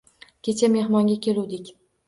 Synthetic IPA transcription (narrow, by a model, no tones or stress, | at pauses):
kʲet͡ʃʰame̞hmɒŋɡʲakʲʰe̞luwd̪ɪkʲ